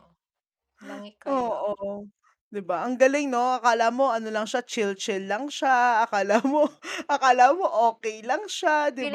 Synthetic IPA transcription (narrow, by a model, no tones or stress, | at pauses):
ʔoːʔo | d̪ɪbaʔɐŋɡɐlɪŋno̞ʔɐkaːlamo̞ʔɐno̞lɐŋʃat͡ʃɪlt͡ʃɛllːɐŋʃaʔɐkaːlamoʔɐkalamo̞ʔoːkɛjlɐŋʃad̪ɪb